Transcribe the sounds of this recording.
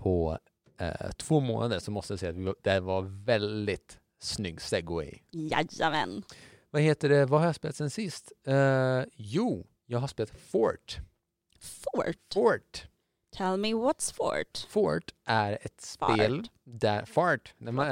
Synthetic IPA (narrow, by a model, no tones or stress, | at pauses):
pʰɔ̰ | t̪ʰvoːmo̰ːnad̪əɾʂɔmɔst̪əjasɛɪːat̪vʋɪd̪ɛvɑɾvɛld̪ɪt̪ | snʏɡːst̪ɛɡʊɛ̰ɪja̰a̰mɛ̰n | vaheːt̪əɖɛvahaɾjɑspeːlat̪sɛnsɪst̪ | juː | jɑːɡɦaspeːlat̪fo̰ɾʈ | fʈfoʈ | t̪ʰɛlmɪwɔt̪sfɔ̰ʈfoːʈʔæɾɛt̪spel | d̪æɾfɑɹʈnæɾm